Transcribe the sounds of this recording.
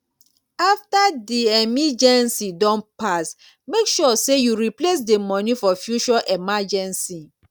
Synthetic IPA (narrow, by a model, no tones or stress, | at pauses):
aftadiɛmid͡ʒɛ̃nsidɔ̃npas | mekʃɔsejuɹiples̬demɔ̃nifɔfjuʃɔʔɛmad͡ʒɛ̃nsi